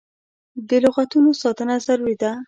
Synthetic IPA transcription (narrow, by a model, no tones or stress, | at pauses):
d̪əlʊɣat̪unosɑt̪ənazaɾwid̪a